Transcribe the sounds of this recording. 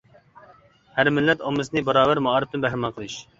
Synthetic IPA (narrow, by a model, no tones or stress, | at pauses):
hæɾmɪlːɛt̪omɨznɨbɑɾɑːbæɾmɑɑːɾɨp̚t̪ɨnbɛɦɾɪmɑqʰəlˠɨʃ